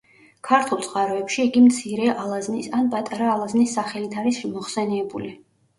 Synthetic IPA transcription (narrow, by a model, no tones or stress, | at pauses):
kʰaɾt̪ʰulˠt̪sʼχʼaɾɔɛpʃiːɡimt̪sʰiɾɛʔalˠaznisanpʼat̪ʼaɾaːlˠaznisːaχɛlit̪ʰaɾisimɔχsɛniɛbuli